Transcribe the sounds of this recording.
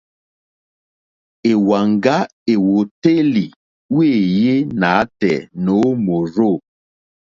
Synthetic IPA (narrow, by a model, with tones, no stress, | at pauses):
e˨wa˨ŋɡa˦e˨wo˨te˦li˨ | we˦˨je˦na˨˦tɛ̰˨no˨˦mo˨ɾo˦˨